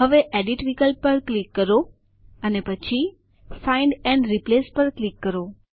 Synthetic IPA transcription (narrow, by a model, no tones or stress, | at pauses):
ɦəʋeʔɛɖiʈʋikəlpəɾklikːəɾo | ənepət͡ʃʰi | faiɳɖɛ̃ɳɖɾiplespəɾklikːəɾo